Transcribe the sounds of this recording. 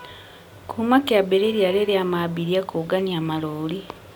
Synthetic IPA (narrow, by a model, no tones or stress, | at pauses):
kʰumakeabeɾeɾjaleɾeamabiɾjakʰoɡaniamaloːli